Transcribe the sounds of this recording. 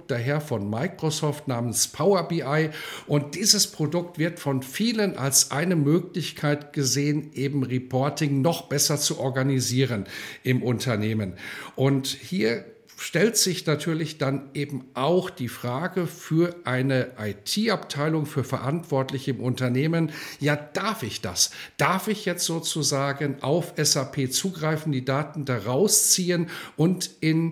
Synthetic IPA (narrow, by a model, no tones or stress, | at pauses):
d̥aɦeːɐfɔnmaɪkʁ̥osɔːftnaːmənspʰaʊɐbiʔaɪʔʊnt̚d̥iːzəspʁ̥odʊktv̥ɪɐtfɔnfiːlənʔa̰lsʔa̰ɪnəmøːklɪçkʰaɪtɡ̥əzeːənʔeːbm̩ʁipʰɔɐtɪŋnɔχb̥ɛsɐt͡suʔɔɐɡaniziːʁənʔɪmʔʊntʰɐneːmənʔʊnthiːɐ | ʃtɛltz̥ɪçnatʰyːɐlɪçd̥anʔeːbm̩ʔaʊxd̥iːfʁ̥aːɡəfyːɐʔaɪnəʔaɪtʰiːʔaptʰaɪlʊŋfyːɐfɛɐʔantv̥ɔɐtlɪçəɪmʔʊntɐneːmənjaːd̥aɐfɪçd̥a̰sd̥aɐfɪçjɛt͡stz̥oːt͡suzaːɡənʔa̰ʊfʔɛsapʰeːt͡suːɡʁaɪfn̩diːdaːtn̩daʁaʊst͡siːənʔʊntɪn